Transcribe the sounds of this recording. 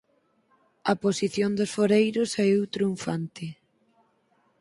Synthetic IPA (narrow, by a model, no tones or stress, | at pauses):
ɐposiθjond̪osfoɾejɾʊsɛut̪ɾuɱfa̰nt̪ɪ